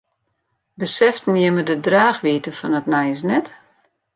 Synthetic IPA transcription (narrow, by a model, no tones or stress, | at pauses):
bəsɛftnɪəmədədraːxʋiːtəfɔnətnɛjəs̬nɛt